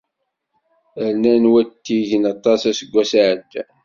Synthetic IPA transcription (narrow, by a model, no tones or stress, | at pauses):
əɾnænwæt̪ːiʝənɑt̪ˤɑsæsəɡʷːæsaʕəd̪ːæ